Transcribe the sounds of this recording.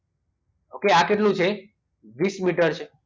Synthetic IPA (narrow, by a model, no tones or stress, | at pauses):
okeakeʈlũt͡ʃʰe | ʋismiʈəɾt͡ʃʰe